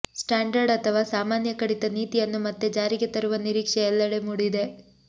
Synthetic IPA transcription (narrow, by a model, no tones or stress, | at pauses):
sʈaːɳɖɐɾɖɐt̪ʰɐʋaːsaːmaːnjɐkɐɽit̪ɐniːt̪ijɐnːumɐt̪ːe̞d͡ʒaːɾiɡet̪ɐɾuʋɐniɾiːkʂeɛlːɐɽemuːɽid̪e̞